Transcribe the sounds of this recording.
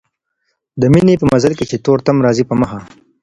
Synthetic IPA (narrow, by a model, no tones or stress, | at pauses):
d̪əminepəmɐzalket͡ʃet̪oːɾt̪amɾɑːzipəməxa